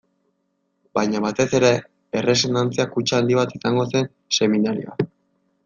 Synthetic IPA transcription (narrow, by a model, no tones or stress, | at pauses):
bajɲaβat̪e̞se̞ɾe̞ | ere̞s̬o̞nd̪ant͡siakut͡ʃaand̪iβat̪isaŋɡo̞se̞n | se̞minaɾioa